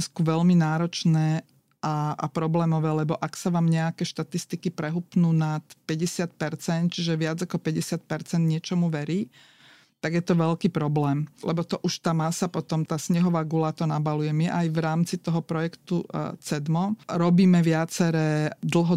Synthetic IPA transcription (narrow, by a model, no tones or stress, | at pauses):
skuʋɛʎminaːɾɔt͡ʃnɛː | ʔaʔa̰pɾɔblɛːmɔʋɛːlɛbɔʔaksaʋaːmɲɛakɛːʃt̪at̪ist̪ikipɾɛɦupnuːnat̪pɛɟɛsɪat̪̚pɛɾt͡sɛnt̪̚t͡ʃiʒɛʋɪad͡zakɔpɛɟɛsɪat̪̚pɛɾt͡sɛnd̪ɲɪɛt͡ʃɔmuʋɛɾiː | t̪aɡjɛt̪ɔʋɛlkiːpɾɔblɛːmlɛbɔt̪ɔʔuʃt̪aːmasapɔt̪ɔmt̪aːsɲɛɦɔʋaːɡulat̪ɔnabalujɛmjɛʔajʋɾaːmt͡sit̪ɔɦɔpɾɔjɛkt̪ut͡sɛd̪mɔɾɔbiːmɛʋɪat͡sɛɾɛːd̪l̩ˠɦɔ